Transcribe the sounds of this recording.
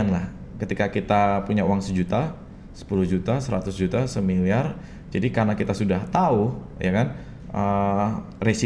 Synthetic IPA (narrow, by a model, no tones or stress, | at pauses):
anlah | kət̪ikakit̪apuɲauwaŋsəd͡ʒut̪a | sə̥puluhd͡ʒut̪asəɾa̰t̪ʊsd͡ʒut̪asəmiliar | d͡ʒadikaɾnakit̪asudaht̪au | jakan | ʔə | resi